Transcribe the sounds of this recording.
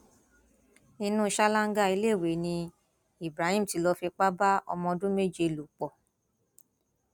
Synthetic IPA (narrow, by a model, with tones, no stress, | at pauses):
ĩ˧nũ˦˧˦ʃa˦la˦ŋ̩˦ɡa˦˨i˧˦le˦˨we˨˦nĩ˧ | i˦˨bɾa˨˦hĩ˦˨m̩˨ti˨˧˦lɔ˧fi˧k͡pa˦ba˦ɔ̰˧mɔ̃˧dũ˦me˦˨d͡ʒe˨˧˨lu˨k͡pɔ˨